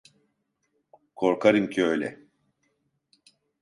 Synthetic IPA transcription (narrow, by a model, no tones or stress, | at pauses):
kʰo̞ɾkʰaɾɯmcʰiøjlʲɛ̰